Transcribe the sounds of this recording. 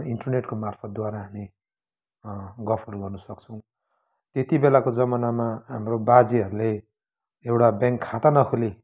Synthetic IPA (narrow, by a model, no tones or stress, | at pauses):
iɳʈʌrneʈkomarpʰʌt̪̚d̪waɾaɦami | ɡʌpʰʌruɡʌrnusʌk̚t͡sʰʌ̃w̃ | t̪et̪ibelakod͡zʌmʌnamaɦamrobad͡ziɦʌɾule | ewʈabjaŋkʰːat̪anʌkʰuli